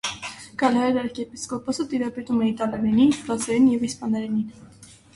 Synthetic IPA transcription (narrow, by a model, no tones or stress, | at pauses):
kɑlɑɛɾɑɾkɛpiskɔpɔsət̪iɾɑpɛt̪umɛit̪ɑlɛɾɛninfɾɑzɛɾinjɛvispɑnɛɾɛnin